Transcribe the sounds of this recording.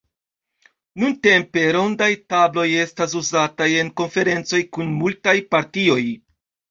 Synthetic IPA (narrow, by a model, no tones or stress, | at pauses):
nunte̞mpe̞ɾo̞ndajtablo̞je̞stas̬uzataje̞nko̞nfe̞ɾe̞nt͡so̞jkunmultajpaɾtio̞j